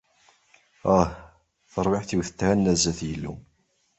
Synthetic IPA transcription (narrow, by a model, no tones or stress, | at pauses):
æh | θəɾˤwɪħθiwθə̥t̪ːhænːæzæθjəlːṵ